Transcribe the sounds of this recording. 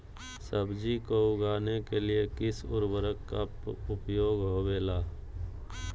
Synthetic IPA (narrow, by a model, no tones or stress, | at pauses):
səbd͡ʒikoʊɡaːnekeliekɪsʊ̰ɾwəɾəkːa | ʊpjoːɡɦoːʋeːlaː